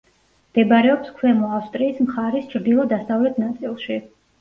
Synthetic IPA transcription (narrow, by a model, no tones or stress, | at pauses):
md̪̥ɛbaɾɛɔpskʰwɛmɔafst̪ʼɾiːsmχaɾist͡ʃʰɾd̪ilˠɔd̪asavlɛt̪ʰnat̪sʼilˠʃi